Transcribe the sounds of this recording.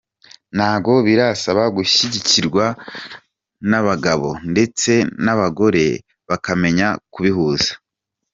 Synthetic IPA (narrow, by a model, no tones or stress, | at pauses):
naːbɡo̞βiɾasaβaɡuʃiɟiciɾɡwa | naβaɡaβo̞nde̞t͡se̞naβaɡo̞ɾe̞ | βakame̞ɲakuβiɦuːzḁ